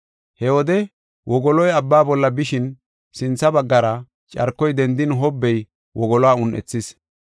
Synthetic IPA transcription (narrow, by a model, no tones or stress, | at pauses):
hɛwɔd̪ɛ | wʔɔɡɔlɔjɐbːaːbɔlːɐbɪʃɪn | sɪnt͡sːɐbɐɡːɐɾɐ | t͡ʃʼɐ̰ɾkːɔjd̪ɛnd̪ɪnɦɔbːɛj | wɔɡɔlɔaːʊnʔɛ̰t͡sːɪs